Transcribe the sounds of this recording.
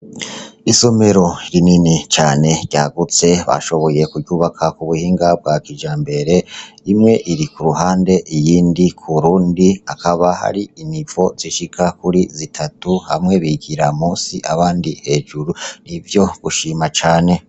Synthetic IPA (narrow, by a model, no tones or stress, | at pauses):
iso̞me̞ɾo̞iɾininit͡ʃaːne̞ɟa̰ːɡut͡se̞βa̰ʃo̞βo̞je̞kuɟuːβakʰakuβuhiːŋɡab̚ɡakiʒaːmbe̞ɾe̞imŋe̞ʔiɾikuɾuɦaːnde̞ʔijiːndikʰuuɾuːndiakaβaha̰ɾiinivo̞z̥iʃikʰakuɾizitʰatuha̰mŋe̞βiɡiɾamuːsiʔaβaːndihe̞ːʒuɾunivjo̞ɡ̥uʃimat͡ʃaːne̞